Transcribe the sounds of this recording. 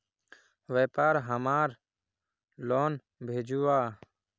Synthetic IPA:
ʋeːpaːɾɦəmaːɾ | loːn | bʱeːd͡ʒuaː

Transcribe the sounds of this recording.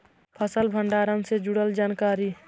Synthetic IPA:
pʰəsəlbʱəɳɖaːɾənsed͡ʒuɽəld͡ʒaːnkaːɾi

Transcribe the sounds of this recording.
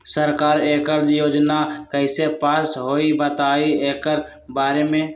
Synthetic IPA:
səɾkaːɾeːkəɾd͡ʒjoːd͡ʒnakəɪsepaːsɦoːibət̪aːieːkəɾ | baːɾemẽ

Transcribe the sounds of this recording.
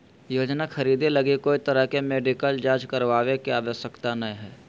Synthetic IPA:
joːd͡ʒnaxɐɾiːd̪elɐɡikoːit̪əɾəɦkemeːɖɪkəld͡ʒaːd͡ʒkəɾʋaːʋekeaːʋəsjəkt̪anɐĩɦɛː

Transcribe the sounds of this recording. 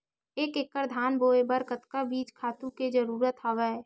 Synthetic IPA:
eːkekːəɾd̪ʱaːnboːebəɾkət̪kabiːt͡ʃkʰaːt̪ũked͡ʒəɾuːɾət̪ɦaːʋɛ

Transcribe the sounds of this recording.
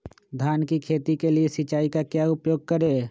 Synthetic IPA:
d̪ʱaːnkikʰeːt̪ikeliesɪt͡ʃaːikakjaːʊpjoːɡ̚kəɾeː

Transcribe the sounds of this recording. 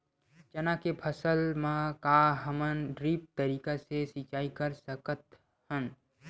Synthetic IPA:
t͡ʃənakepʰəsəlmãkaɦəmənɾiːp̚t̪əɾiːkasesɪt͡ʃaːikəɾsəkət̪ | hən

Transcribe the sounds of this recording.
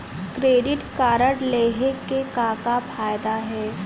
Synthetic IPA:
kɾeːɖɪʈkaːɾəɽleːɦekekaːkafʰaːjd̪aɦɛː

